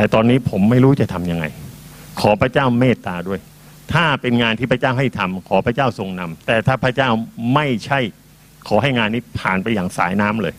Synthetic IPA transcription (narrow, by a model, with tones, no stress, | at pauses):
t̪ɛː˨˩t̪ɔː˧nːiː˦˥pʰo˩˦mːa˥˩jɾuː˦˥t͡ɕa˨˩t̪ʰa˧mja˧ŋa̰˧jkʰɔː˩˦pʰɾa˦˥t͡ɕaː˥˩wmeː˥˩t̪ːaː˧du˥˩əj | t̪ʰaː˥˩pe˧nŋaː˧nt̪ʰiː˥˩pʰɾa˧˥t͡ɕaː˥˩wɦa˥˩jt̪ʰa˧mkʰɔː˩˦pɾa˧˥˩t͡ɕaː˥˩wso˧ŋna˧mt̪ɛː˨˩t̪ʰaː˥˩pʰɾa˦˥t͡ɕaː˥˩wma˥˩jt͡ɕʰa˥˩j | kʰɔː˩˦ɦa˥˩jŋaː˧nːiː˦˥pʰa̰ː˨˩npa˧jaː˨˩ŋsa̰ː˩˦jnaː˦˥mlɤː˧j